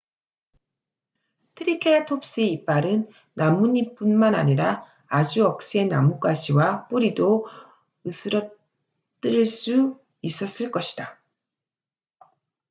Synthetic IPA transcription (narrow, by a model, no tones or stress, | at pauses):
tʰɯɾikʰeɾatʰop̚s͈ɯip͈aɾɯnː | amːuɲip͈unmana̰ɲiɾa | ad͡ʑuʌk̚s͈e̞namuk͈waɕʰiwap͈uɾido | ɯsʰɯɾʌ | t͈ɯɭs͈u | is͈ʌs͈ɯɭk͈ʌɕʰi̥d̥a